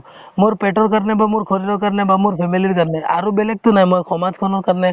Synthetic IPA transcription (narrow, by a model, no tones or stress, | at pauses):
moɾpeʈɔɾkəɾnebamuɾkʰɔɾiɾɔkəɾnebamuɾpʰemiliɾkəɾnea̰ɾubelek̚t̪unaɦĩmɔjkʰɔmat̪kʰɔnɔkəɾne